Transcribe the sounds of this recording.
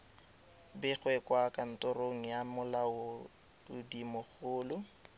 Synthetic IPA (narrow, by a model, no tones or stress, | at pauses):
bɪχwɛkwakʼan̩tʊroŋ̩jamʊlaʊ | ʊdimʊχʊːlʊ